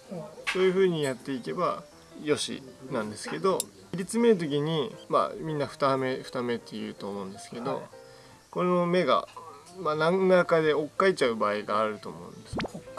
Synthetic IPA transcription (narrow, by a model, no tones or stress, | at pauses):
so̞ːjɯ̟ɸɯ̟ːɲ̟ijat̪ːe̞ike̞ba | jo̞ɕḭnãnd̪e̞sɨ̥ke̞d̪o̞ | iɾʲit͡sɨme̞ɾɯ̟t̪̬o̞k̬ʲiɲ̟ima̰mʲĩnːaɸɯ̟̥t̪ame̞ɸɯ̟̥t̪ame̞t̪ːe̞jɯ̟̰ːt̪o̞ːmo̞ɯ̟̃nd̪e̞sɨ̥ke̞d̪o̞̰ | ko̞no̞me̞ɡa̰ | manãŋnakad̪e̞o̞kːait͡ɕaɯ̟baːiɡaːɾɯ̟t̪o̞ːmo̞̰ɯ̟̃nd̪esɨ